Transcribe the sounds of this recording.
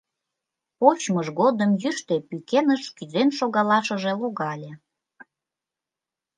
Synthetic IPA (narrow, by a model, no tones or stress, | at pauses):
pot͡ɕməʃɣod̪əmjyʃt̪epykenəʃkyzenʃoɣɑlɑʃəʒĕloɣɑlʲe